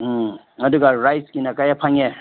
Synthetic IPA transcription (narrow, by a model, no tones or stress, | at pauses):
ŋaduɡaɾajskinakajapʰaŋɛ